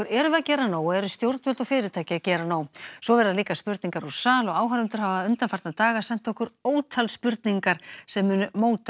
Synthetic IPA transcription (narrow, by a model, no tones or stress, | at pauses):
ɪɾɛɾʏvɪacɛːɾanaːwɛɾʏst̪jowɾt̪vœlt̪ɔfɪːɾɪt̪ʰaːjcɪacɛːɾanaːwswɔvɛɾaðliːkaspʏɾt̪niŋkaɾu̥saːlɔɣaːwɦaɾʏnt̪ʏɾ̥havaʏnt̪anfaɾt̪nat̪aːɣasɛm̥t̪ːɔhkʏɾoːwt̪ʰalspʏɾt̪niŋkaɾ̥sɛmːʏːnʏmoːwt̪a